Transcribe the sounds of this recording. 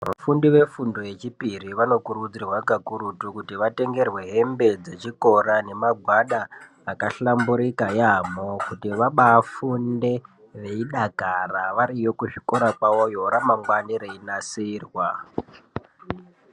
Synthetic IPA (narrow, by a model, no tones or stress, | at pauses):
ʋa̰fundiʋe̞fundo̞je̞t͡ʃipiriʋanokuɾud͡zirwakakuɾutukutiʋate̞ŋɡe̞rwe̞ɦe̞mbe̞d͡ze̞t͡ʃiko̞ɾane̞maɡʱwaɗaː | kaɬambuɾikajamokutiʋaɓaːfunde̞ | ʋe̞iɗakaraʋaɾijo̞kuʐiko̞ɾakawojoɾamaŋɡwaniɾeinasirwa